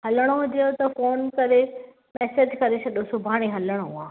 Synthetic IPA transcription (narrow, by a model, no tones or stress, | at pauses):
hɐləɽ̃oɦʊd͡ʑeot̪ɐfoːnkɐɾe | mɛːsed͡ʑkɐɾesɐɗosʊbʱaːɽ̃iɦɐləɽ̃oɦuãː